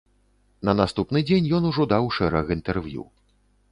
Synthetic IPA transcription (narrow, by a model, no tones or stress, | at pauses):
nɐnast̪upnɨd͡zʲenʲjɔnuʐɔd̪awʂɛɾɐɣint̪ɛrvjṵ